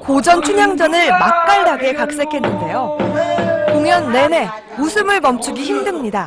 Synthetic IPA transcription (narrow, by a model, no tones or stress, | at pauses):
kod͡ʑʌnt͡ɕʰuɲaŋd͡ʑʌnɯɭmak̚k͈aɭdaɡe̞kak̚s͈e̞kʰe̞nːɯnde̞jo | koŋjʌnːe̞ne̞ | musʰɯmɯɭmʌmt͡ɕʰuɡiçimdɯmɲida